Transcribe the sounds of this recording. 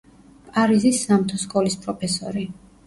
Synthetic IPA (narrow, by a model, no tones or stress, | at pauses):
pʼaɾizisːamt̪ʰɔskʼɔlispʼɾɔpʰɛsɔ̰ɾi